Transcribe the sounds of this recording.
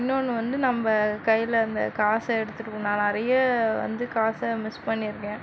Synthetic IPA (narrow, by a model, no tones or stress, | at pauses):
ɪnːonːɯʋɐnd̪ɯnɐmbɐkɐjːɪlɐɐnd̪ɐ̰kaːsɐɛɽɯt̪ːɯʈɯkːɯnãːnɪɾɐjɐʋɐ̰nd̪ɯkaːsɐmɪspɐɳːɪɾɯkːẽː